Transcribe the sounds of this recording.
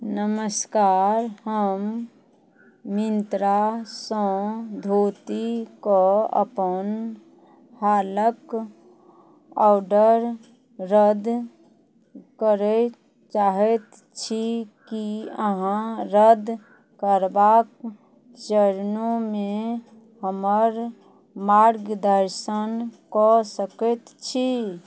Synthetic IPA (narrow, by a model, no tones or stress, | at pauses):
nəməskaːɾhəm | ɪnt̪ɾasə̃d̪ʱoːt̪ikoə̰pən | haːlək | aːʊɖəɾ | ɾəd̪ | kəɾɛ | t͡ʃaɦɛt̪ | t͡ʃʰikiəɦãɾəd̪ʱ | kəɾbak | d͡ʒəɾnõme | ɦəməɾ | maɾɡd̪əɾsənkɔsəkət̪t͡ʃʰi